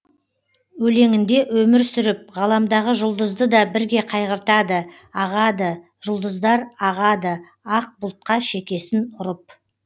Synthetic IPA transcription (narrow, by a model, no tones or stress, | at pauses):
wɵle̞ŋɪnd̪e̞ʔwɵmɪɾsʏɾɪp̚ʁɑlˠɑmd̪ɑʁəʒʊlˠd̪əzd̪əd̪ɑbɪɾɡʲe̞qʰɑjʁəɾt̪ɑd̪ə | ɑʁɑd̪ə | ʒ̥ʊlˠd̪əzd̪ɑɾɑʁɑd̪ə | ɑq̚bʊlˠt̪̚qɑʃe̞kʲe̞sɪnʊɾəp̚